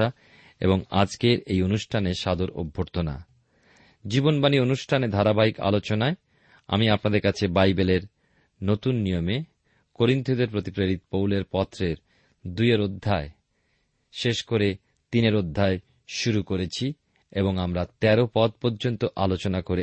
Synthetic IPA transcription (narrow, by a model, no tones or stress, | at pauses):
a | ḛboŋa̰d͡ʑkeɾejonuʃʈʰaneʃad̪oɾo̰bʱoɾt̪ʰona̰ | d͡ʑibonbanionuʃʈʰaned̪ʱaɾabaika̰lot͡ɕonae | a̰miapnad̪eɾkat͡ɕʰebajbeleɾ | not̪unːijome | koɾint̪ʰod̪eɾpɾot̪ipɾeɾit̪powleɾpɔt̪ːɾeɾ | d̪ujeɾod̪ʱːae | ʃeʃkoɾe | t̪ineɾod̪ʱːae | ʃuɾukoɾet͡ɕʰi | eboŋamɾat̪ɛɾopɔt̪̚pɔɾd͡ʑont̪oʔalot͡ɕonakoɾe